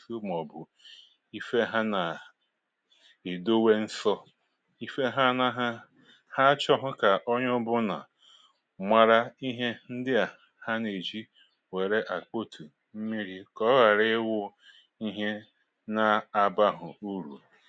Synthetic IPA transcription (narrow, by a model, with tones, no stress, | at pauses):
su˦m˨ɔ˨bʊ˨ | i˦fe˦ɦa˦na˨ | e˨do˦we˦n̩˦sɔ˦ | i˦fe˦ɦa˦na˦ɦa˦ | ha˦t͡ʃɔ˦ɦʊ˦ka˨ʔo˦ɲʊ˦bʊ˦na̰˨ | mʷa˨ɾa˦i˦ɦe˦n̩˦dɪ˦a˨ | ha˦ne˨d͡ʒi˦ | we˨ɾe˦ʔa˨k͡po˦tʰu˨ | m̩˦mi˦ɾi˦kɔ˦ɣa˨ɾɪ˦wʊ˦ | i˦ɦe˦ | na˨a˨ba˦ɦʊ˨u˦ɾṵ˨